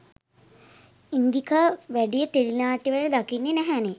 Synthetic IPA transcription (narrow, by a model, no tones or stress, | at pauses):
ind̪ikaʋæɖijət̪elinaːʈiʋæɖəd̪akinːenæɦæne